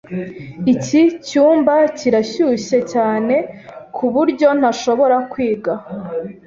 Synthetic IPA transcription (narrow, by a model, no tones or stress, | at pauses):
icicuːmbaciɾaɕuːɕe̞caːne̞kʰuβuɾɟo̞n̥aʃo̞βo̞ɾakwiːɡa